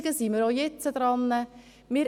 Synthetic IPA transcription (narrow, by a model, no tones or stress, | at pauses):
ɡəsiməɾoːjɛt͡səd̪ɾɑnːə | mɪːɾ